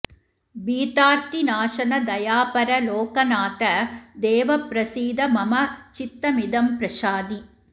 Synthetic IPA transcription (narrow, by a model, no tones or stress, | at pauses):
biːt̪aːɾt̪inaːʃɐnɐd̪ɐjaːpɐɾɐloːkɐnaːt̪ɐd̪eːʋɐpɾɐsiːd̪ɐmɐmɐt͡ʃit̪ːɐmid̪ɐmpɾɐʃaːd̪i